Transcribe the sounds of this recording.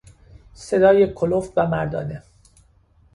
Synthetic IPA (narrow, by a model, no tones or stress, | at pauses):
se̞d̪ɒːje̞kʰolofvæmæɾd̪ɒ̰ːne